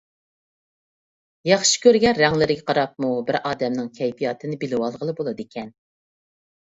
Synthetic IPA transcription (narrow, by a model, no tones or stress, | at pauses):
jɑχʃi̥kʲʰøɾɡʲɛɾæŋlɪɾɪɡʲɛqʰɑɾɑp̚mubɪɾɑːd̪ɛmnɪŋkʲʰɛjpʰijɑːt̪ʰɨnɪbɪlɪwɑlˠʁəlˠɨbolˠɨd̪ɨkʲʰɛn